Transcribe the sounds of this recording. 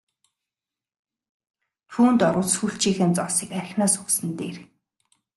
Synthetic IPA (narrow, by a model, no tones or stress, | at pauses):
xuːnt̪ɔɾʊːt͡ssxuɬt͡ɕiːxĕːnt͡sɔsiːkæɾʲɪ̆xnaːsʊksɘ̆nt̪eːr